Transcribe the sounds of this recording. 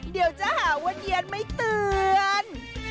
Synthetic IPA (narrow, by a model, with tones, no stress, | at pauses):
ɗi˨˩əwt͡ɕaː˨˧˦haː˧˩kə˧˦nʔi˧˨ənmə˨˦jt̪ɨ˨˧˩ən